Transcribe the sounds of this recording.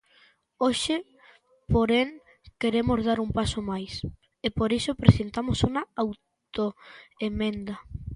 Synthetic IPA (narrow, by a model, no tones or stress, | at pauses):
oʃe | poɾeŋ | keɾemozðaɾumpasomajs | epoɾisopɾesent̪amosuŋɐaw | t̪oemẽnd̪ɐ